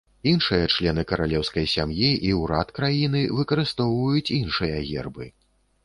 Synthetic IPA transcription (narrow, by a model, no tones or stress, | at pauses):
inʂɨjɐt͡ʂlʲɛnɨkɐɾalʲɛwskɐjsʲamjiʔiwɾat̪kɾajinɨvɨkɐɾɨst̪ɔwvɐjut͡sʲinʂɨjɐɣʲɛ̰rbɨ